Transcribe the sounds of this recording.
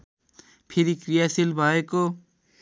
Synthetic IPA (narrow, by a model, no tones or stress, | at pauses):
pʰɪɾikɾijaːsilbʱaːeko